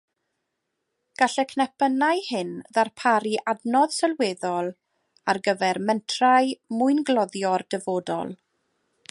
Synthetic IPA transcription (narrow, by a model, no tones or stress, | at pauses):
ɡ̥aɬɛkʰnɛpʰənajhɪnðarpʰaɾiʔadnɔð̥sɛlweːðɔlˠ | arɡəvɛrmɛntʰraɨmʊɨnɡlɔðjɔrd̥əvoːdɔ̰lˠ